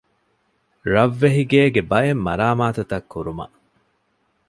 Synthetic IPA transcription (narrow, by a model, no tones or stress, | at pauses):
ɾɐʋːeɦiɡeːɡebɐemːɐɾaːmaːt̪ut̪ɐkːuɾumɐ̰ʔ